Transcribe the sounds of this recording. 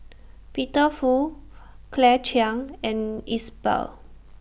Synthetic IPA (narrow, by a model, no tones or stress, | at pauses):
pitəfu | kʰlɛt͡ʃãŋɛ̃nisbə̰l